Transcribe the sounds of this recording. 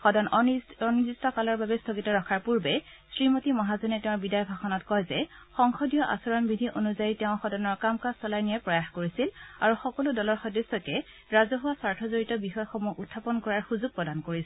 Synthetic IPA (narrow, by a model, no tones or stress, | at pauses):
xɔdɔnɔnizistɔkalɔɹbabɛstʰoɡitɔɹɔkʰaɹpuɹbɛ | sɹimotimɔɦazɔnɛtɛʊ̃bidajɔbʱaxɔnɔtkɔjzɛ | xɔŋxɔdijɔʔa̰sɔɹɔnbidʱiʔonuzajitɛʊ̃xɔdɔnɔɹkamkassɔlajnijapɹɔjaxkoɹisilaɹuxɔkɔludɔlɔɹxɔdesɔkɛ | ɹazɔɦuwasaɹtʰɔzoɹitɔbixɔjxɔmuʔutʰːapɔnkɔɹaɹxuzuɡ̚pɹɔdankoɹis